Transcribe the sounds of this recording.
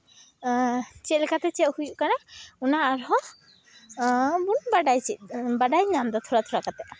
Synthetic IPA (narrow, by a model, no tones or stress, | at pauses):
t͡ʃɛlkat̪ɛt͡ʃɛʔhujuʔkanaunaːɾɦɔ | bunbaɖajt͡ʃit̪̚baɖajɲamd̪at̪ʰuɾat̪ʰuɾakat̪ɛʔ